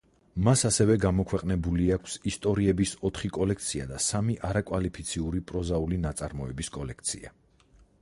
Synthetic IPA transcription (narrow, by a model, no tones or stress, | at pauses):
masasɛvɛɡamɔkʰwɛqʼnɛbuliakʰsist̪ʼɔɾiɛbisɔt̪ʰχikʼɔlɛk̚ʰt̪sʰia̰d̪asamiʔaɾakʼwalipʰit̪sʰiuɾipʼɾɔzaulinat̪sʼaɾmɔɛbiskʼɔlɛkʰt̪sʰḭa̰